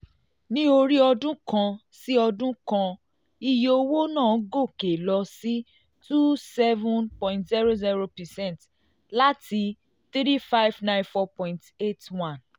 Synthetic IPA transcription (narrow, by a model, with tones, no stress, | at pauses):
nĩ˦o˧ɾi˦ɔ˧dũ˦kã˧ | si˦ɔ˧dũ˦kã˧ | i˧jo˧wo˦nãː˦˨˦ɡo˦˨ke˨lɔ˧si˦ | tu˦sɛ˦vũ˦npɔ̃˨ĩntzi˦ɾo˦zi˦ɾo˧pɛ˨sɛ̃˦˨nt | la˦tʰi˧ | t̪i˦ɾi˦fa˦jvnã˦j̃nfɔ˧pɔ̃˨ĩnte˦twã˦˨n